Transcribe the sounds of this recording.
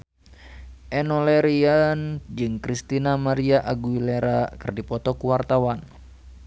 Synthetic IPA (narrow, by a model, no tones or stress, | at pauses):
ʔɛnɔlɛɾiand͡ʒɨŋkɾist̪inamaɾiaʔaɡuileɾakɨrdipɔt̪ɔkuwart̪awan